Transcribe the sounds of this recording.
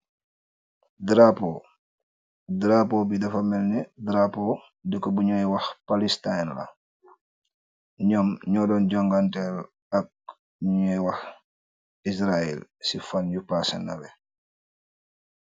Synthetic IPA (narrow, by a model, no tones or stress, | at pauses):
dɾapɔ | dɾapɔbidɐfɐmɛlnɛdɾapɔ | dəkɔbuɲɔjwɐxpalistajnla̰ | ɲɔmɲɔːdɔnɟɔŋɡantɛl | ɐk̚ | ɲɛwax | is̬ɾaɛ̰lsifanjupasɛ̰nɐ̰ɾɛ